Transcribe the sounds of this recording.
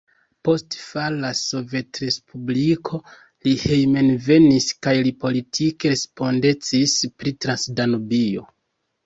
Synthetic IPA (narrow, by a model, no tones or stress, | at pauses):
po̞stfalaso̞ve̞tɾe̞spʰublikʰo̞ | lihejme̞nve̞niskajlipo̞litʰike̞spo̞nde̞t͡sispɾitɾansdanobio̞̰